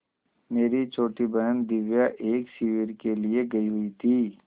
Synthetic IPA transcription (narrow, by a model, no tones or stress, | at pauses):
meːɾit͡ʃʰoːʈibɐənd̪ɪʋjaʔeːksiʋiɾkelieɡɐiɦʊit̪ʰiː